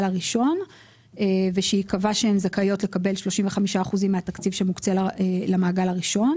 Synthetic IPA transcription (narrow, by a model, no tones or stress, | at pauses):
laʁiʃo̞n | eveʃeikavaʃeemzakajo̞tlekabe̞lʃlo̞ʃimve̞χamiʃaːχuzimːeat̪akt͡sivʃemukt͡selalamaːɡalaʁiʃo̞n